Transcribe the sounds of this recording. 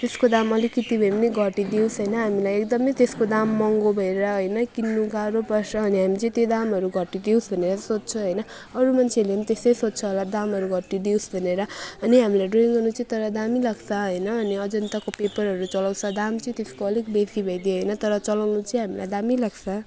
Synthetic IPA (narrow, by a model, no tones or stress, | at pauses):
t̪eskod̪amʌlikːit̪ibʱʌjmʌniɡʱʌʈid̪iwsɦʌjnʌɦamilajekd̪ʌmʌjt̪eskod̪amːʌŋɡobʱʌeaɦojnʌkinːuɡaɾopʌsʌːniɦamit͡sʌ̃j̃t̪jed̪amɦʌɾuɡʱʌʈːid̪iwsbʱʌneɾʌsot̚t͡sʰʌɦʌjnʌ | ʌɾumant͡sʰeleɦamit̪esʌjsot̚ːt͡sʰʌɦolad̪amɦʌɾuɡʱʌʈːid̪iwsbʱʌneɾʌʌniɦamilajɖroŋɡʌnut͡sʌĩt̪ʌɾʌd̪amilaɡsʰʌɦʌjnʌːniʌd͡zʌnt̪akopepʌɾɦʌɾut͡sʌlaw̃t͡sʰʌd̪amt͡sʌĩt̪eskoʌlikbekʰibʱʌjd̪eɦʌjnʌt̪ʌɾʌt͡sʌlawnut͡sʌĩɦamila̰jd̪amilaɡt͡sʰʌ